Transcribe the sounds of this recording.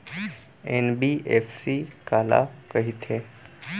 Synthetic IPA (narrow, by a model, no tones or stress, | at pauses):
enbiʔefsikala̰kəɦit̪ʰe